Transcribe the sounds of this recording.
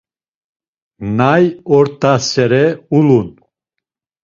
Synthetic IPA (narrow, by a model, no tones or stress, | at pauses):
najɔɾt̪ʼasɛɾɛulun